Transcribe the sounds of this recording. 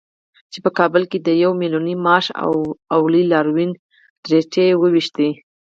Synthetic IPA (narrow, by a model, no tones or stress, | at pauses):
t͡ʃepəkɑbəlked̪əjawmilunimɑʃa̰wawlilɑɾwin | ɖɾeʈewəwiʃt̪i